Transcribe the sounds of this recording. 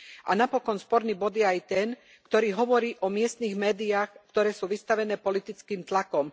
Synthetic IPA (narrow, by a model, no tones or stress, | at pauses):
a̰napɔkɔnspɔɾniːbɔd̪jɛajt̪ɛn | kt̪ɔɾiːɦɔʋɔɾiːʔɔmɪɛst̪niːɣmɛːd̪iaːxkt̪ɔɾɛːsuːʋist̪aʋɛnɛːpɔlit̪it͡skiːmt̪lakɔm